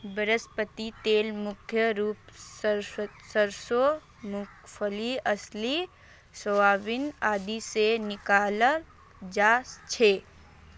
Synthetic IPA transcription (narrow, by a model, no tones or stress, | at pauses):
bəɾəspət̪it̪eːlmʊkʰjəɾuːpssəɾso | mʊkfʰəliɐsli | soʋaːʋɪnaːd̪isenɪkaːlə | d͡ʒaːst͡ʃʰeː